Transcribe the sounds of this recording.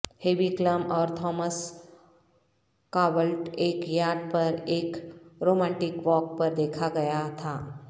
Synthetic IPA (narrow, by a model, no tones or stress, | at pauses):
heːʋikləmɔːɾt̪ʰɔːməs | kaːʋəlʈeːkjaːɖpɐɾeːkɾoːmɛ̃ːɳʈɪkʋɔːk̚pɐɾd̪eːkʰaɡɐjat̪ʰaː